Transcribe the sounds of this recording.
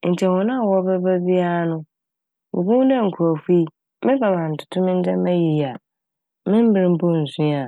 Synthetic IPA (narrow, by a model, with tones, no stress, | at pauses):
n̩˨t͡ɕʰɛ̃˨wɔ̃˨nʊ̃˦a˨wɔ˦bɛ˦bɛ˦bi˦a˦nʊ̃˦ | bo̰˨bũ˦dɛ̃˦˨ŋ̩˨kʰu˨ɔ˨fi˦ | mɪ̃˦ba˨mã˨n̩˨tʰʊ̥˨tʰʊ̃˦mɪ̃˦n̩˦dɛ˦mã˦ji˨ja˨ | mɪ̃˦m̩˦bɪ˨ɾɪ̃˦m̩˦bɔ˦˨n̩˨sũ˦a˨